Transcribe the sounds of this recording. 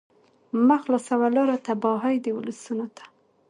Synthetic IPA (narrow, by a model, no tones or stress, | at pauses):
maxlosawalɑɾot̪abɑɦɑjd̪əwʊləsunot̪ḁ